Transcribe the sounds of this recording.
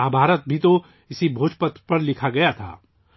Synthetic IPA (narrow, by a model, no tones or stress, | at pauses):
aːbʱaːɾət̪̚bʱit̪o | ɪsibʱoːd͡ʒpət̪pɐɾlɪkʰaɡɐjat̪ʰa̰ː